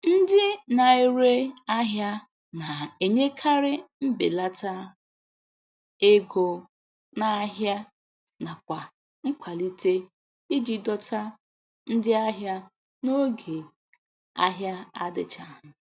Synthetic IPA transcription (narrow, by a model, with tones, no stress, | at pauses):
n̩˦dɪ˦na˨i˦ɾe˦a˦ɦja˦ | na˨e˨ɲe˦kʰa˦ɾɪ˦m̩˦bḛ˨la˦ta˦ | e˦ɡo˨ | na˨˦ɦja˦ | na˨kʷa˨ | ŋ̩˦kʷʰa˨li˦tʰe˦ | i˦d͡ʒi˨dɔ˦tʰa˦ | n̩˦dɪ˦a˦ɦja˦ | no˦ɡe˨ | a˦ɦja˦a˦dɪ˨t͡ʃa˨ɦʊ˨